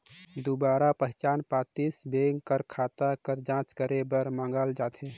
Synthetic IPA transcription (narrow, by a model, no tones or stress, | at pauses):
d̪ubaːɾapəɦt͡ʃaːnpaːt̪isbeŋɡkəɾkʰat̪akəɾd͡ʒãːt͡ʃkəɾebəɾmãːŋɡəld͡ʒaːt̪ʰe